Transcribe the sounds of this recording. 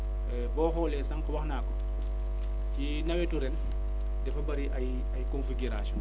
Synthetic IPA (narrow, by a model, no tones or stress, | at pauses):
ɛbɔxɔːlɛnsaŋkɔwaxnaːkɔ | ci | nɐwɛtuɾɛn | dɛfɐbɐɾiʔaj | ajkonfiɡiɾasɔn